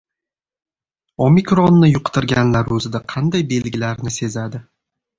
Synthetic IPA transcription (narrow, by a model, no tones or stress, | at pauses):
omikɾonːɪjʊqt̪ʰɪɾɡʲanlaɾɵzɪd̪aqʰɑnd̪ajbe̞lɡʲɪlaɾnɪse̞zad̪ɪ